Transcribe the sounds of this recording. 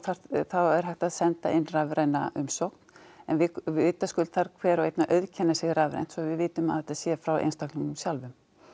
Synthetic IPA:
θḁθawɛɾ̥ɦajht̪aðsɛnt̪a̰ʔɪnːravɾajna̰ʔʏmsowkn̥ɛnvɪʏːt̪askʏlθaɾkʰvɛːɾaejt̪naʔœðcʰɛnːasɪɣravɾa̰jn̥t̪sɔvɪðvɪːt̪ʏma̰ðθhɛt̪ːasjɛfɾawḛjnst̪akniŋnʏmsjalvʏm

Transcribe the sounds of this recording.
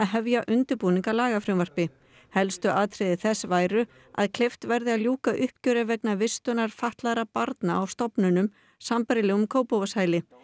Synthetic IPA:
aðɦɛvjaʔʏnt̪ʏɾpuːniŋkalaːɣafɾʏmvar̥pɪ | hɛlst̪ʏʔaːt̪ʰɾɪðɪθɛsːvaːjɾʏ | a̰ðkʰlɪft̪vɛɾðɪaðljuːkaʔʏhp̚cœːɾavɛknavɪst̪ʏnaɾ̥faht̪laɾapaɾt̪naawst̪ɔpnʏnʏm | sampaɾɪlɛːɣʏmkʰoːwpowvashaːjlɪ

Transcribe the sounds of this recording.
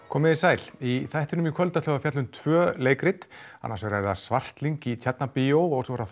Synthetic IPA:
kʰɔːmɪðisaːjliθajht̪ɪnʏmikʰvœlt̪asœːɣafjat̪lʏnt̪ʰv̥œːleːjkɾɪt̪a̰nːaɾsɛɾaɛɾḁsvar̥t̪liŋkit̪ʰjɛt̪̚napɪowɔɣsɔɾa

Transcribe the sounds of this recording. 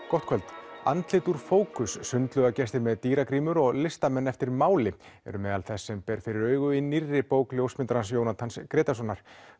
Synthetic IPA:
kɔht̪kʰvœɛlt̪a̰nt̪lɪt̪uɾ̥foːwkʏsːʏnt̪lʏɣacɛst̪ɪɾmɛðt̪iːɾakɾiːmʏɾɔɣlɪst̪amɛnːɛft̪ɪɾmaːwlɪ | ɛ̰ɾʏmɛðalθɛsːɛmpɛːɾ̥fɪɾɪɾœːɥɣʏinirːɪpoːwkljowsmɪnt̪ɾansjownat̪ʰanskɾeːt̪asɔnːaɾ̥

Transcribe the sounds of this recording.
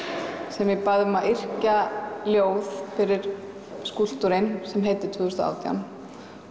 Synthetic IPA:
sɛmvɪpaðvʏmaðɪr̥caljoːwðfɪɾɪɾ̥ | skul̥t̪uɾɪnsɛmɦeːjt̪ɪt̪ʰvʏːðʏst̪ʊa̰ːwt̪ʰja̰n

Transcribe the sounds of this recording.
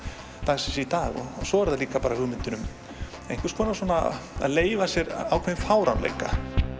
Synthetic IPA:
t̪asɪsɛit̪aːɣɔ̰sɔɛɾðaliːkapaːɾahʏɣmɪnt̪ʏnʏm | ḛjŋ̥kvɪɾ̥skvɔːnaswɔːnaa̰ðleːjvasjɛɾawkʰɛðɪfaːwɾa̰wnlḛjka̰

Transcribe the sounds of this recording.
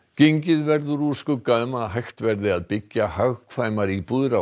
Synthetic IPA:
ceɲcɪðvɛɾðʏɾuːskʏkamaɦajxt̪vɛɾðɪaðpɪcːahaɣkʰvaːjmaɾipuðɾa

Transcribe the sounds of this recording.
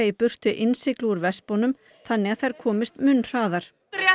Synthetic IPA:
ipʏr̥t̪ʏʔɪnsɪklɪuɾvɛspɔnʏm | θanːɪɣaθajɾ̥kʰɔːmɪst̪mʏnr̥aːðaɾ̥

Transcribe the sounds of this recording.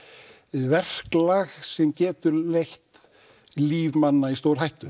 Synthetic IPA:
vɛr̥klaɣsɛmcɛːt̪ʏɾlejht̪ | liːvmanːaist̪oːwɾ̥ɦajht̪ʏ

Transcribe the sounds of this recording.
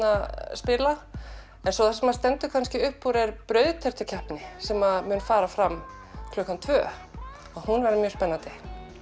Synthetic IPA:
aspɪla | ɛnsɔθasɛmast̪ɛnt̪ʏkʰanscɪʏhpːuɾɛɾpɾœːɥðt̪ʰɛr̥t̪ʏcʰɛhpnɪsɛmaðmʏnfaːɾafɾam | kʰlœkant̪ʰvœ̰ː | aðhunvɛɾðɪmjœːspɛnːant̪ɪ

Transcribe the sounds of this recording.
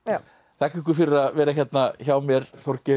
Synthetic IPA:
θɛhkʏkʏɾfɪɾɪɾaðvɛːɾaçɛt̪naçaːwmjɛɾ̥θɔr̥cɪ

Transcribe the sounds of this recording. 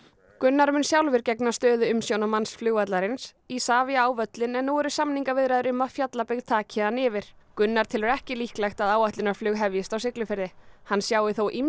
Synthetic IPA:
kʏnːaɾmʏnsjawlvɪɾcɛknast̪œːðʏʏmsjownamansflʏːɣat̪laɾɪns | isaːvɪaaːwvœt̪lɪnɛnːuwɛɾʏ̥samniŋkaɾvɪðɾajðʏɾʏmːafjat̪lapɪɣðt̪ʰaːcʰɪanɪvɪɾ̥ | kʏnːaɾ̥t̪ʰɪlɛɾɛhcɪlihklajxt̪aðaːwaht̪lɪnaɾ̥flʏɣɦɛvjɪst̪awsɪklʏfɪɾðɪhanːsjaːwðɪθowʔim

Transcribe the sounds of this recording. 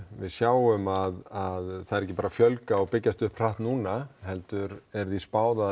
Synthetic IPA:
vɪðsjaːwʏmaðaðθaðɛɾɛc̬ːɪpaːɾafjœlkaɔɣpɪcːast̪ʏhpʰr̥aht̪nuːnahɛlt̪ʏɾɛɾθispaːwða

